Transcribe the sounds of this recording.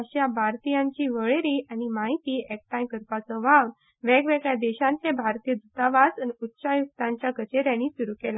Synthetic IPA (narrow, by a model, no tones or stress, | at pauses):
əɕjabʱaɾt̪ijãɲt͡ɕiːʋəɭeɾiːʔanimaɦit̪iːɛk̚ʈajkəɾpat͡sɔʋaʋ | ʋɛɡʋɛɡɭjad̪ɛɕãɲt͡sẽbʱaɾt̪ijəd̪ut̪aʋasniutːɕajukt̪ãɲt͡ɕjaɡət͡ɕeɾjãniːsuɾukela